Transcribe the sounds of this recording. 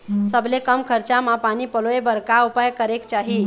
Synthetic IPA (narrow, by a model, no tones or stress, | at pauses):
səblekəmkʰəɾt͡ɕamapañiːpəloebəɾkaupajkəɾekt͡ɕaɦi